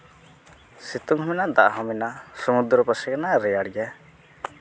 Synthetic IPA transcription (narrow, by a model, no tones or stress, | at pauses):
sit̪umɦɔminaʔd̪aʔaɦɔminasɔmud̪ɾɔpəsɛkanaɾɛjaɽɡa